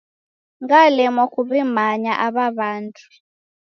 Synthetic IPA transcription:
ŋɡalɛmɔkʰʼuβimaɲaʔaβaβaːntʰʼu̥

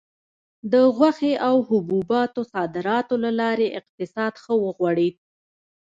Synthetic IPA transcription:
d̪əɣwaxeʔawhʊbubɑt̪osɑd̪ɪɾɑt̪olalɑɾeʔɪq̚t̪ɪsɑd̪xəwəɣwɑɽi

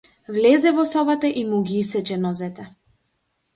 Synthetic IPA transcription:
vlɛzɛvɔsɔbat̪aʔimuɡiisɛt͡ʃɛnɔzɛt̪ɛ

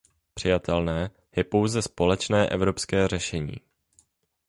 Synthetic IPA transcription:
pr̥ɪjat̪ʰɛlnɛː | jɛpo̞wzɛspo̞lɛt͡ʃnɛːʔɛvɾo̞pskɛːrɛʃɛɲḭː

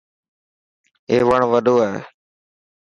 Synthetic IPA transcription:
eːʋəɳʋəɗʱoːaɦe

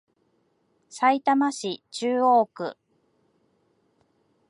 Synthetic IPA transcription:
sait̪amaɕit͡ɕɨːo̞ːkɯ̟̰

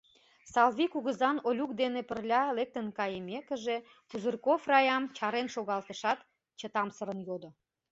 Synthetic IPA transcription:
sɑlvikuɣəzɑnolʲuk̚d̪enepərlʲɑlek̚t̪ənkɑjəmekə̆ʒe | puzərkofrɑjɑmt͡ɕɑɾenʃoɣɑlt̪əʃɑt̪ | t͡ɕət̪ɑmsəɾə̆njod̪o

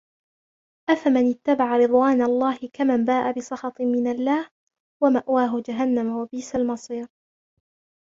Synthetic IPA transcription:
ʔafamanɪt̪ːabaʕaɾɨd̪ˤwaːnalˤːɑːhɪkamanbaːʔabɪsˤɑxɑt̪ˤmɪnalːaːh | wamaʔwaːɦʊd͡ʒaɦanːamawabiːsalmɑsˤiːɾ

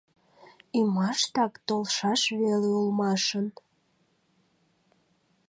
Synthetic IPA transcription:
imɑʃt̪ɑkt̪olʃɑʃβeleulmɑʃən

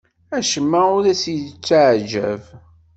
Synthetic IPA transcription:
æʃəmːæʊɾæsjt͡sːaʕʒæ̰v

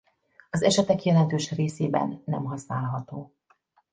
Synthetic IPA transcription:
ɒzɛʃɛt̪ɛkjɛlɛnt̪øːʃreːseːbɛ̰nːɛmɦɒsnaːlɦɒt̪oː

